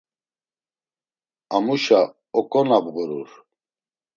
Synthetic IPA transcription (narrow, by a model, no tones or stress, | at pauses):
amuʃa | ɔkʼɔnabɣuɾuɾ